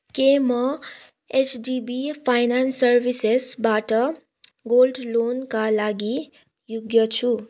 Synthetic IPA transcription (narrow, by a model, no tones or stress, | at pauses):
kemʌ | et͡ʃɖibipʰajnansʌɾbisesbaʈʌ | ɡolɖlonkalaɡi | juɡjʌt͡ʃʰu